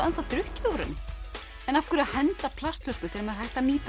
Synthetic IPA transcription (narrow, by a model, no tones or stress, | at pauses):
ɛnθat̪ɾʏhcɪwɾʏ̰nɪ | ɛnafkʏɾaðhɛnt̪apʰlast̪lœwskʏt̪ʰɪɾaɾmɛðhajht̪aniːt̪